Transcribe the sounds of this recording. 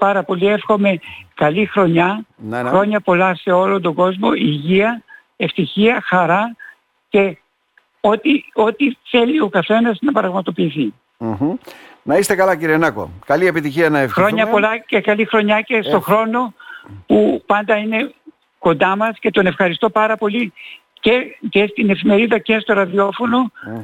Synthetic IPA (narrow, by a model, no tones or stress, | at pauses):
pɐɾɐpo̞lie̞fxo̞me̞kɐlixɾo̞ɲɐnxɾo̞ɲɐpo̞lɐse̞o̞lond̪o̞ɡo̞zmo̞iʝiɐ | e̞ft̪içiɐxɐɾɐ | ce̞ | o̞t̪io̞t̪iθe̞lio̞kɐθe̞nɐznɐpɾɐɣmɐt̪o̞piːθi | nɐist̪e̞kɐlɐciɾienɐko̰kɐlie̞pit̪içiɐnɐefxɾoɲɐpo̞lɐce̞kɐlixɾo̞ɲɐce̞st̪o̞xɾo̞no̞pupɐnd̪ɐine̞ | ko̞nd̪ɐmɐsce̞t̪o̞ne̞fxɐɾist̪o̞pɐɾɐpo̞li | cece̞st̪ine̞fime̞ɾiðɐce̞st̪o̞ɾɐðio̞fo̞no̞